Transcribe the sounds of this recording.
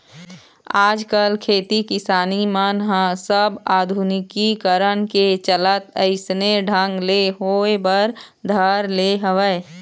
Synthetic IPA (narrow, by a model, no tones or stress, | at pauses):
aːd͡ʒkəlkʰeːt̪ikɪsaːnimənɦãsəbaːd̪ʱunɪkikəɾənket͡ʃələt̪əɪsneɖʱãŋɡleɦoːebəɾ | d̪ʱəɾleɦəʋəe